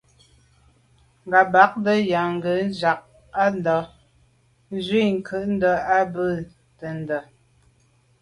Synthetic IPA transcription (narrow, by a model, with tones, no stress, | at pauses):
ŋ̩˨ɡa˨ba˨˦k̚də˦ja˨ŋ˦ɡə˨˦n˦d͡ʒa˨k̚ | a˦n˦dɔ˨˦ | zwi˦˨ŋ̩˦kʰə˦˨ʔn̩˦də˨˦a˦bə˦˨ | tə˨n˨˦də˨